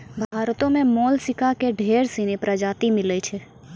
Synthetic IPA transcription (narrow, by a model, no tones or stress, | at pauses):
bʱaːɾt̪õmẽmɔlsɪkakeɖʱeɾsinepɾəd͡ʒat̪imɪlɛt͡ʃʰe